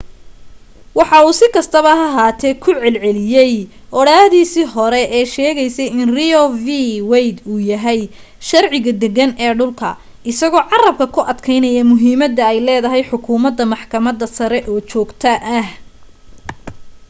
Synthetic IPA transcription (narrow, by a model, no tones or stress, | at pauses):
wɑħɑuːsɪkʰɐst̪ʰɐβɐɐɦaːt̪ʰɛkʰʊʕɛlʕɛlɪjɛj | ʔɔɽaːðiːsiːɦɔɾɛɛːʃɛːɣɛjsɛjɪnriɔviwɛjd̪uːjɐɦɛj | ʃɐrʕɪɣɐd̪ɛɣɐnɛːɖʊlkʰɐ̰ | ɪsɐɣɔːʕɑrɐb̚kʰɐkʰʊʔɐd̪kʰɛjnɐjɐmʊɦiːmɐd̪ːɐɛjlɛːðɐɦɛjħʊkʰuːmɐd̪ːɐmɑħkʰɐmɐd̪ːɐsɐɾɛʔɔːt͡ʃɔːɡt̪ʰɐʔɐh